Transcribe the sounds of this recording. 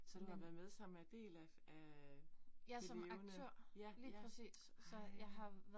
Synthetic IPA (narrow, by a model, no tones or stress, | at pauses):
sɒd̥u̥ɑ̈ʋæɐð̩ˠmeðˠsɑ̈mæd̥e̝̰ːlæ | æ | jæsɒ̽mɑɡnt͡sʰøɐ̰liːpʰʁɛsḭːsːɒ̽jɑ̈ɪɦɑ̈ʋæ